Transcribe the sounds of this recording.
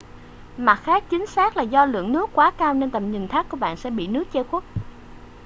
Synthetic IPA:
ma˨˩t̚xaː˦˥k̚t͡ɕï˨˦ŋ̟saː˦˥k̚laː˨˩zɔ˧lɨ̰˧˨əŋnɨ˦˥əkːwaː˨˦kaː˧wne˧nt̪ə˨˩p̚ɲï˨˩ŋt̪ʰaː˦˥kːu˧˩əɓa̰ː˧˨nsɛ̰˧˥ɓḭ˧˨nɨ˦˥ək̚t͡ɕe˧xwə˦˥t̚

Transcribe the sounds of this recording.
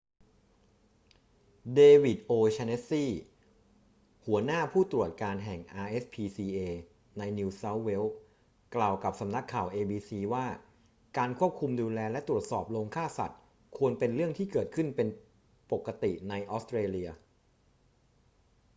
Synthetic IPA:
deː˧wi˨˩t̪̚ʔoː˧t͡ɕʰa˧ne˦˥siː˥˩ | hu˩˦ɐnaː˥˩pʰuː˥˩t̪ɾu˨˩ət̪̚kaː˧nɦɛ˨˩ŋʔaː˧ʔe˦˥spʰiː˧siː˧ʔeː˧ | na˧jniː˧sa˦˥wːe˦˥w | klaː˨˩wka˨˩p̚sa˧˦mna˦˥kʰːaː˨˩wʔeː˧biː˧siː˧waː˥˩ | kaː˧nkʰu˥˩əp̚kʰu˧mduː˧lɛː˧lɛ˦˥t̪ɾu˨˩ət̪̚sɔː˨˩p̚loː˧ŋkʰaː˥˩sa̰˨˩t̪̚ | kʰu˧ənpe˧nɾɯ˥˩əŋt̪ʰiː˥˩kɤː˨˩t̪̚kʰɯ˥˩npe˧n | po˨˩kːa˧t̪ḭ˨˩na˧jʔɔː˦˥st̪ɾeː˧li˧ɐ

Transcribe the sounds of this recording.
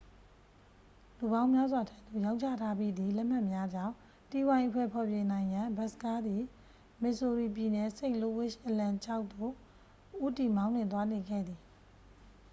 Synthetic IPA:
lu˨bã˦ʊ̃mja˦zwa˨tʰa˦ʔd̪o̰˦˨jã˦ʊ̃ɲt͡ɕʰa̰˦˨tʰa˦bi˦˨d̪i˨lɛ˦ʔm̥a˦˨ʔmja˦d͡ʑã̰˦˨ʊ̃ | ti˦˨wã˨ɪ̃ʔəpʰwɛ˦˨pʰɔ˨bjẽ˨nã˨ɪ̃jã˨mba˦˨sə̥ka˦d̪i˨ | mɪ˨ʔso˨ɹi˨p̬ji˨nɛ˨sẽ˦ɪ̃ʔlo˦˨wɪ˦˨ʃʔə˨lã˨t͡ɕʰa˦ʊʔ̚t̪o̰˦˨ | ʔu˦ti˨mã˦ʊ̃n̥wɪ̃˨t̪wa˦ne˨ɡɛ̰˦˨d̪i˨

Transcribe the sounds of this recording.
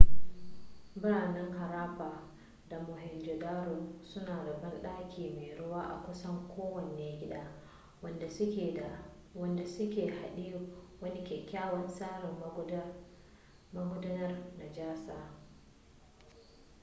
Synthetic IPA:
bɾa˨na˦nha˨ɾaː˦pa˨ | da˨mɔ˨ɦɛ˨nd͡ʒɔ˨daː˦ɾu˨su˦naː˨da˨ba˦nɗaː˦kʲʰiː˨mi˨ɾu˦waː˦ʔa̰˨kɔ˦sɔ˦ŋkʰɔː˦wɔ˨niːe˨ɡʲi˦ɗa | wndɛa | wɔndɛ˨su˦kɛ˨ha˨ɗi˦wa˦ni˦kɛ˨kʲaː˦wa˦nsaː˦ɾɛ | maɡɔ˦da˦na˦rna˨d͡ʒaː˦sa˨

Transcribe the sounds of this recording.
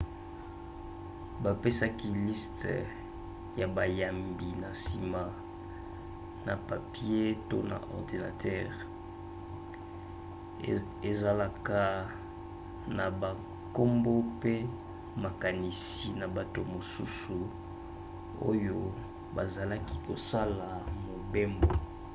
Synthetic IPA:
ba˨pe˦sa˦ki˦li˦st | ja˨ba˨ja˨mbi˨na˨si˨ma˨ | na̰˨pa˨pi˦e˦to˦na̰˨ʔɔ̰˨ʁdi˨na̰˨tʰɛ˦ʁ | e˨za˨la˦ka˦ | na˨ba˨ | ko˦mbo˦pe˦ | ma˨ka˨ni˨si˨na˨ba˨to˨mo˨su˦su˨ | o̰˦jo˦ | ba˨za˨la˦ki˦ko˨sa˦la˨mo˨be˦mbo˨

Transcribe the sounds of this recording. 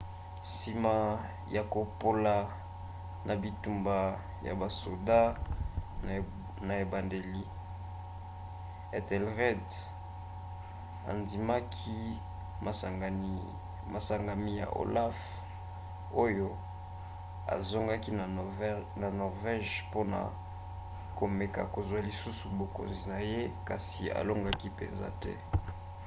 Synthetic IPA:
si˨ma˨ | ja˨ko˨po˨la˨ | na˨bi˨tu˨mba˨ | ja̰˨ba˨so˨da˦ | na˨e˨ba˨nde˨li˦ | e˨tɛ˨lʁɛ˦d | a̰˨ndi˨ma˦kʰi˦ | ma˨ɡ | ma˨sa˨ŋɡa˨mi˦ja̰˨ʔo̰˨la˦f | o˦jo˦ | a̰˨zo˦ŋɡa˦ki˦˨na˨nɔ˨ʁvɛ˦ʒpo˦na̰˨ | ko˨me˨ka˨ko˨zwa˨li˨su˦su˨bo˨ko̰˨nzi˨na˨je˦ka˨sḭ˨a̰˨lo˦ŋɡa˦ki˦pḛ˨nza̰˦tɛ̰˦

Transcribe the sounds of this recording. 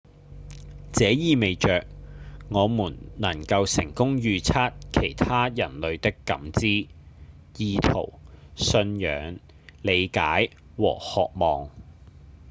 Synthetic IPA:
t͡sɛː˨˥jiː˨me˨jt͡ʃœː˨k̚ŋɔː˨˧muː˨˩nnɐ˨˩ŋkɐ˧wsɪ˨˩ŋkʊ˥ŋjyː˨˧t͡sʰaː˥t̚kʰe˨˩jt̪ʰaː˥jɐ˨˩nlɵ˨˧ɥt̪ɪ˥kːɐ̰˨˥mt͡siː˥ | jiː˧t̪ʰo˨˩wsɵ˧njœ̰ː˨˥ŋ | le˨˧jkaː˨˥j | wɔ̰ː˨˩hɔː˨k̚mɔː˨˩ŋ

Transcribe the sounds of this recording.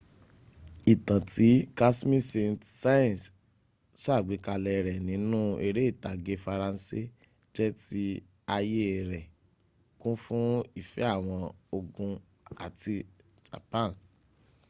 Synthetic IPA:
i˨tã˨ti˨˦ka˦smĩ˦se˧ntsa˦jɛ̃˨s | sa˦˨ɡ͡bi˨˦ka˧lɛ˧ɾɛ˨nĩ˨˦nũ˦e˧ɾe˦i˦˨ta˨ɡe˧fa˧ɾã˧n˦si˦ | d͡ʒɛ˦ti˦ | a˧je˦˨ɾɛ˨ | kũ˦fũ˦i˦˨fɛ˨˦a˦˨w̃ɔ̃˧o˧ɡũ˧ | a˨ti˧ | d͡ʒa̰˨pã˦˨n

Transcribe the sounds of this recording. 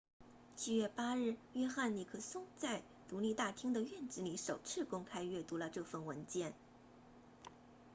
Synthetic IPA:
t͡ɕi˥˩ɥɛ˥˩pa˥ɻɻ̩˥˩ɥɛ˥xa˥˩nli˨˩kʰɤ˥˩sʊ˥ŋt͡sa˥˩ɪ | t̪u˧˥li˥˧t̪a˥˩t̪ʰi˥ŋd̪ə˨ɥɛ˥˧nʈ͡ʂɻ̩˧˥li˧˥ʂo˨˩ʊt͡sʰɻ̩˥˩kʊ˥ŋkʰa˥ɪɥɛ˥˩t̪u˧˥lə˧ʈ͡ʂɤ˥˧fə˥˩nwə˧˥nt͡ɕjɛ˥˩n

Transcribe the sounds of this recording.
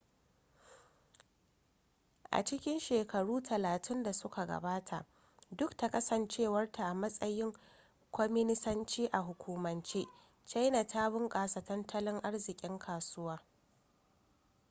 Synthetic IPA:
ʔa̰˨t͡ʃɪ˦kʲɪ˦nʃeː˨kʰɐ˨ɽuː˦tʰɐ˨laː˨tʰɪ˦nda˨sʊ˦kʰa˨ɡɐ̰˨baː˦tʰa˨ʔ | dʊ˦kta˨kɐ˦sɐ˨nt͡ʃeː˦wɐ˦rta˨ʔa˨mɐ˦sʼɐ˦jɪ˦ŋ | kʷɔ˦mɪ˦nɪ˦sɐ˦nt͡ʃiː˦ʔa˨ɦʊ˨kʷuː˨mɐ˨nt͡ʃeː˦ | t͡ʃa˦jna˨taː˦bɪ˦ŋkʼaː˨sa˨tɐ˦ntʰɐ˦lɪ˦ŋʔa˦ɽzɪ˨kʲʼɪ˦ŋkʰaː˨sʊ˦waː˦

